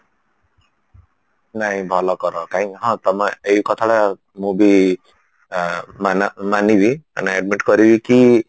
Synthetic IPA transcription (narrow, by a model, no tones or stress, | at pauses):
naĩbʱʌlʌkʌɾʌkaĩɦʌ̃t̪ʌmʌejukʌt̪ʰaɽa | mubi | manmanibiʌ̰naeɖmiʈɡʌɾibiki